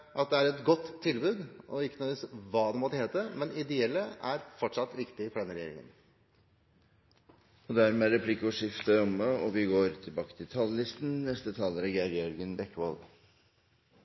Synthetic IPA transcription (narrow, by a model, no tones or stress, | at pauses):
ʔɑt̪̚d̪ɛæɾɛt̪ɡɔt̪ʰːɪlbʉːd̪ɔɪkːənɔʋiːsʋɑːd̪ɛmɔt̪əheːt̪əmɛnɪd̪ɛɛlːəæɾfɔʈʂɑt̪ːʋɪkt̪ɪfɔɖɛnəɾɛjḛːɾɪ̰ŋə̰n | ɔd̪æɾmɛæɾɛpʰlɪkːəɔʂɪft̪əɔməɔʋɪɡoːɾt̪ʰɪlbɑːkə̥t̪ʰɪlt̪ʰɑllɪst̪nnɛst̪ət̪ʰɑːləɾæɡjæɾjœɾɡənbɛkːəʋɔl